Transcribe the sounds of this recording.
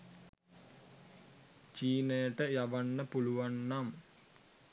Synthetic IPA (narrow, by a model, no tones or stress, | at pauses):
t͡ʃiːnəjəʈəjaʋanːəpuluʋanːam